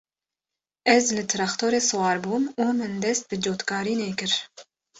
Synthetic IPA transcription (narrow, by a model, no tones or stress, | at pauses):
ɛzlɨt̪ʰɨɾɑxt̪ʰoːɾeːsɨwɑːɾbuːmuːmɨnd̪ɛst̪̚bɨd͡ʒoːt̪kɑːɾiːneːkɨɾ